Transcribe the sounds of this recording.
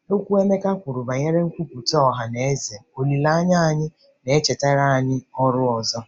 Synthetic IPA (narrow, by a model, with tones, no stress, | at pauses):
o˦kʷu˦e˦me˦ka˦kʷʊ˨ɾʊ˨ba˨ɲe˦ɾe˦ŋ̩˦kʷu˦ku˨tɔ˨ɦa˨ne˨e˦ze˨o˨li˨la˦ɲa˦a˨ɲɪ˦ | ne˨e˦t͡ʃe˨ta˦ɾa˦a˨ɲɪ˦ɔ˦ɾʊ˦ɔ˨zɔ˦